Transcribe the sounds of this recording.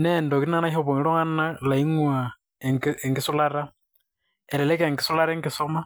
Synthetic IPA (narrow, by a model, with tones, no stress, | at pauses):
nɛndo˨kina˦na˦ho˦βo˨ŋ˦ɾo˦ŋa˦na˦la˨i˦ŋwa˨ | eŋɡɪsu˦laɾa | ɛ˨lɛ˨lɛ˦ka˨ŋɡɪ˨su˦la˦ɾɛŋɡɪsoma˦